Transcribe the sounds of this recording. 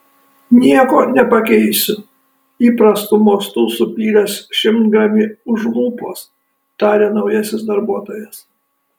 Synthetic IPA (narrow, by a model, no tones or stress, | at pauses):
nʲiɛkoːnʲɛpɐkʲɛɪsʲʊ | iːpɾɐst̪ʊmoːst̪usʊpʲlʲiːlʲɐsʃʲɪmt̪ɡɾɐmʲɪʊʒlˠuːpoːs | t̪ɑːɾʲeːnɐʊjɛsʲɪs̬d̪ɐɾbuɔt̪oːjɛs